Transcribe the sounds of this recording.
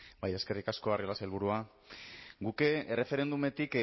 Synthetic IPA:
baje̞ske̞rikasko̞ariolaselβuɾua | ɡukeere̞fe̞ɾe̞nd̪ume̞t̪ik

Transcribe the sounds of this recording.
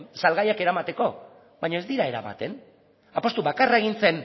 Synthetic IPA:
salɣajake̞ɾamat̪e̞ko̞ | βaɲae̞zd̪iɾae̞ɾa̰βa̰t̪e̞n | apo̞st̪uβakarae̞ɣ̞int͡se̞n

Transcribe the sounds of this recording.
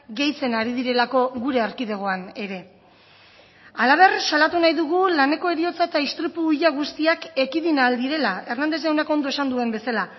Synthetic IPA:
ɡe̞jt͡se̞naɾið̞iɾe̞lako̞ɣuɾe̞aɾkiðe̞ɣ̞o̞ane̞ɾe̞ | alaβ̞e̞rsalat̪unajðuɣulane̞ko̞e̞ɾio̞t͡saet̪aist̪ɾipuːʎaɣ̞ust̪iake̞kiðinald̪iɾe̞lae̞rnand̪eɣawneko̞nd̪o̞e̞sand̪ue̞mbe̞sala

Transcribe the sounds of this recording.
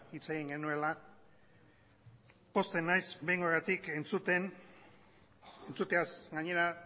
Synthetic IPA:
it͡seɣiŋɡe̞nue̞la | po̞st̪e̞najzbe̞jŋɡoɣat̪ike̞nt͡sut̪e̞n | ent͡sut̪easɡaɲe̞ɾa

